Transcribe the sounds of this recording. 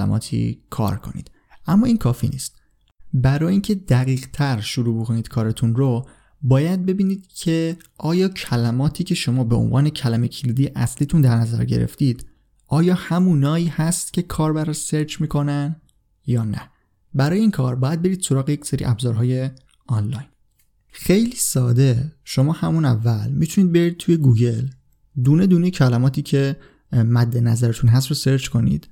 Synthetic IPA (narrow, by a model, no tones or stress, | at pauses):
læ̰mʔɒ̰ːt̪ʰḭːkʰɒ̰ːɾkʰo̞̰nḭːd̪̥ | ʔæmːɒːiːnkʰɒːfḭnḭːst̪̚ | bæɾɒːjiːncʰe̞d̪æɣiːɣt̪ʰæɾʃuɾuːbokʰo̞niːd̪̥kʰɒːɾet̪ʰunɾo | bɒːjæd̪̚be̞biːniːd̪̥cʰe̞ | ʔɒːjɒːcʰælæmɒːt̪ʰiːcʰe̞ʃo̞mɒːbeo̰nvɒːne̞cʰælæmecʰiliːd̪ijeʔæsliːt̪ʰund̪æɾnæzæ̰ɾɟe̞̰ɾḛft̪iːd̪̥ | ʔɒːjɒːhæmuːnɒːiːhæst̪̚cʲʰe̞kʰɒːɾbæɾseɾt͡ʃmiːkʰo̞næn | jɒːnæ | bæɾɒːjeiːnkʰɒːɾbɒːjæd̪̚be̞ɾiːd̪̥so̞ɾɒːɣeje̞cseɾḭːʔæbzɒːɾɦɒːje̞ | ɒnlɒjn | xejliːsɒːd̪e̞ʃo̞mɒːhæmunævːælmit̪ʰuniːd̪̚be̞ɾid̪̚t̪ʰuje̞ɡuːɟe̞l | d̪uːned̪uːnecʰælæmɒːt̪ʰiːcʰe̞ | mæd̪ːe̞næzæɾet̪ʰunɦæst̪ɾose̞ɾt͡ʃkʰo̞nḭd̪̥